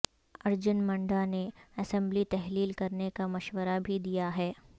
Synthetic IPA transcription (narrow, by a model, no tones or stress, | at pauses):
ɐɾd͡ʒənmɐ̃ɳɖaneɐsɛ̃mblit̪ɛɦliːlkɐɾnekamɐʃwəɾabʱid̪ijaɦɛː